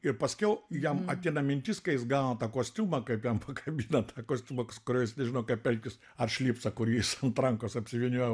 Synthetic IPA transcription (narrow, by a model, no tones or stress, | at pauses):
ɪrpɐsʲkʲɛʊjɛmɐt̪ʲɪnɐmʲɪnʲt̪ʲiːskɐɪjɪsɡɑːnɐːt̪ɑːkoːsʲt̪ʲuːmɐkɐɪpjɛmpʰɐkʰɐbʲinɐt̪ʰɑːkoːsʲt̪ʲuːmɐkskʊɾʲoːjɪsnʲɛʒʲɪnɐʊkɐpʲɛlʲkʲɪs | ɐrʃʲlʲiːpsɐkʊɾʲiːɪsɐnt̪rɐŋkoːsɐpʲsʲɪʋʲiːnʲuɔjɛ